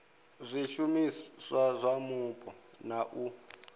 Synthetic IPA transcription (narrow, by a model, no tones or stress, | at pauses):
zʷiʃumisazʷamupʼɔ | naʔu